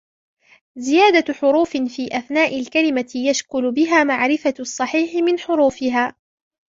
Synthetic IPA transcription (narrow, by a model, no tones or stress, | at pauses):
zɪjaːd̪aħʊɾuːfɪfiːʔaθnaːʔɪlkalɪmajaʃkʊlʊbɪɦaːmaʕɾɪfaɑsˤːɑħiːħɪmɪnħʊɾuːfɪɦaː